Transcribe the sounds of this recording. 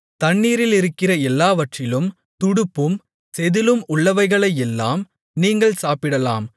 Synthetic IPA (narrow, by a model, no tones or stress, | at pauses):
t̪ɐɳːiːɾɪlɪɾɯkːɪrɐɛlːaːʋɐʈrɪlɯm | t̪ʊɽɯpːɯm | sɛðɪlɯmʊɭːɐʋɐɪɣɐɭɐɪɛlːa̰ːm | niːŋɡɐɭsaːpɪɽɐla̰ːm